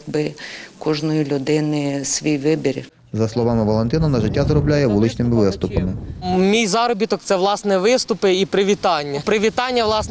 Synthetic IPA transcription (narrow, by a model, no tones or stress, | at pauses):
bɪkɔʒnɔjilʲʊd̪ɪnɪsʲʋʲijʋɪbʲiɾʲ | zɐslˠɔʋɑmɪʋɐlˠent̪ɪnɐnɐʒɪtʲːazɾɔblʲajɛʋulˠɪt͡ʃnɪmɪʋɪst̪ʊpɐmɪmʲijzɑɾɔbʲit̪ɔk̚t̪sɛʋlˠɑsnɛʋɪst̪ʊpɪipɾɪʋʲit̪ɑnʲːɐpɾɪʋʲit̪ɑnʲːɐʋlˠɑs